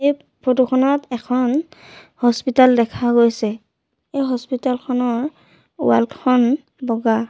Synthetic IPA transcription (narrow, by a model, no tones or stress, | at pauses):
ej | pʰɹotukʰɔnɔtɛkʰɔn | hɔspitaldɛkʰaɡojsɛ | ejɦɔspitalkʰɔnɔɹ | ṵwalkʰɔn | bɔɡa